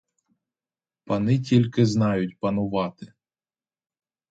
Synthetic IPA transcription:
pɐnɪtʲilʲkɪznɑjʊtʲpɐnʊʋɑt̪ɪ

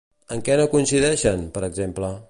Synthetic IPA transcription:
əŋkɛnokunsiðɛʃənpəɾəɡzemplə

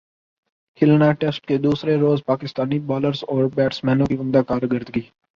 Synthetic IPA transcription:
kʰɪlnaʈɛsʈked̪uːsɾeɾoːzpaːkɪst̪aːnibɔːləɾzɔːɾbɛːʈsmɛ̃ːnõkiʊ̃md̪akaːɾɡəɾd̪ɡiː

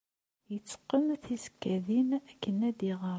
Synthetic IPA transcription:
jət͡sːə̥qːənθizə̥kːæðinækːənæd̪iʁəɾˤ

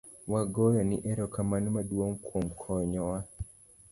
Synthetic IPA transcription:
waɡɔjɔniʔɛɾɔkamanmadwoŋkwomkʰɔɲɔwa

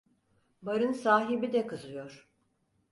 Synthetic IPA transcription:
baɾɯnsaːɦibid̪ɛkɯzɯjo̞ɾ̥

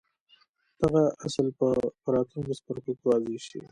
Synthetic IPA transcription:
d̪̥aɣaasalpəpəɾɑt̪luŋkespəɾkokewɑzeʃḭ

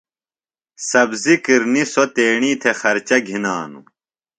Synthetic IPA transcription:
sɐbzikiɾnisot̪eːɳiːt̪ʰexɐɾt͡ɕɐɡʱinaːnṵ

